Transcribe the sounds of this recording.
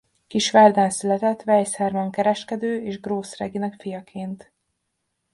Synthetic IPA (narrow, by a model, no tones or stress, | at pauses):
kiʃʋɛrd̪ɛnsylɛt̪ɛt̪ːʋɛjshɛrmɒŋkɛɾɛʃkɛd̪øːeːʒɡroːsrɛɡinɛkfijɒkʰeːnt̪